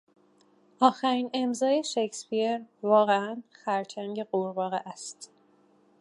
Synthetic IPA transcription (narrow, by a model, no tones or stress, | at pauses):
ʔɒːxæɾiːne̞mzɒːje̞ʃecspieɾvɒːɣeænxæɾt͡ʃʰæŋɟe̞ɢoɾbɒːɣeʔæst̪